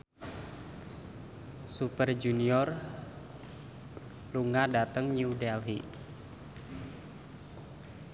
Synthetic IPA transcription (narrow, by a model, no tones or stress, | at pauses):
supərd͡ʒuniɔr | luŋadat̪əŋɲiudɛlɦi